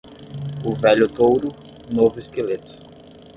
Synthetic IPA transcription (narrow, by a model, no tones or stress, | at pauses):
ʊvɛʎʊt̪owɾʊ | novʊeskelet̪ʊ̥